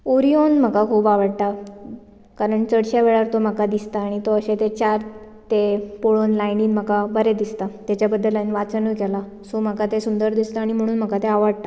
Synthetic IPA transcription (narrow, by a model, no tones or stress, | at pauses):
oɾionm̤əkakʰuːbaʋəɽt̪a | kaɾəɳt͡səɽɕaʋeɭaɾt̪oməkad̪ist̪aːɽ̃it̪oəɕet̪et͡ɕaɾ | t̪epoɭonlajniːnm̤əkabəɾed̪ist̪at̪jat͡ɕjabəd̪ːəlajnʋat͡sənəːkɛla | som̤əkat̪esund̪əɾd̪ist̪aːɽ̃im̤əɽ̃uːnm̤əkat̪eaʋəɽt̪a